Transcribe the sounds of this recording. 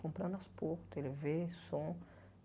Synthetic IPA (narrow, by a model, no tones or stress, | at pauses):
kõmpɾãnd̪ʁspuʁt̪elevesõ